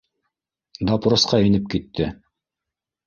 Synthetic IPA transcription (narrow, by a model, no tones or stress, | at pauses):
d̪ɑpɾŏsqɑenɘp̚kit̪ːɘ